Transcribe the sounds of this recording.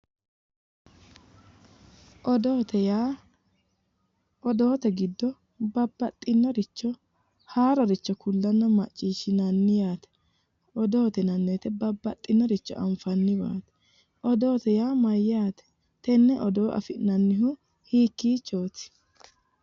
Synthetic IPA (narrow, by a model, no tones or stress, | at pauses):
ʔɔd̪oːt̪ɛjaː | ɔd̪o̞ːt̪ɛɡɪd̪ːɔ | bɐbːɐt̪ʼːɪnːɔɾɪt͡ʃːɔ | haːɾɔɾɪt͡ʃːɔkʰʊlːɐnːɔmɐt͡ʃʼːiːʃɪnɐnːɪjaːt̪ɛ̥ | ʔɔd̪oːt̪ɛnɐnːeːt̪ɛbɐbːɐt̪ʼːɪnːɔɾɪt͡ʃːɔ̰ʔɐ̰mfɐnːɪba̰ːt̪ɛ̥ | ʔɔd̪o̞ːt̪ɛjaːmɐjɪjaːt̪ɛ̥ | t̪ɛnːɛʔɔd̪o̞ːʔɐ̰fɪnɐnːɪɦʊ | hiːkːiːt͡ʃːo̞ːt̪ɪ̥